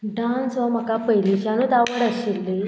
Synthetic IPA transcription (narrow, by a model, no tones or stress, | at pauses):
ɖãnsʋam̤akapəɦjliɕanut̪aʋəɽəɕelːe